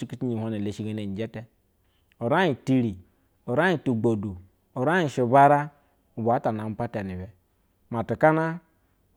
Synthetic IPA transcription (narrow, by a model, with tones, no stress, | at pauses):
i˦ki˦t͡ʃi˦ɲi˨hʷo˦ne˨le˨ʃi˦ɡe˦ne˨n˨d͡ʒe˦te˦ | o˨ɾa˦ji˨ti˨ɾi˨ | o˨ɾa˦i˨tu˨ɡ͡bo˨du˨ | o˨ɾa˦i˨ʃi˨ba˦ɾa˦ | u˨ba˨˦ta˨na˨m̩˦pa˦te˨ni˨bɛ˨ | ma˨tu˨ka˦na˦